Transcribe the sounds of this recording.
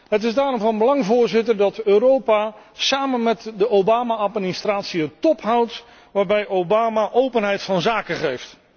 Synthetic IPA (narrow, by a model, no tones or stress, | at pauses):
ɦətɪzdaːɾɔmvɑnbəlɑŋvʊːɹzɪtərdɑtøːɾowpa | saːmənmɛtdəowbaːmaatmɪnistraːtsiətɔpɦawt | ʋaːɹbɛjʔowbaːmaʔowpənɦɛjtfɑnzaːkəχejft